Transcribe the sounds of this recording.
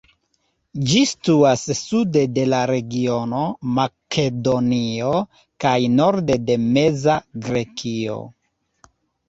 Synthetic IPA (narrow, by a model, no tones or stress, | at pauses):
d͡ʒistuasːudede̞laɾe̞ɡio̞no̞makʰe̞do̞nio̞ | kajno̞ɾde̞de̞me̞zaɡɾe̞kio̞̰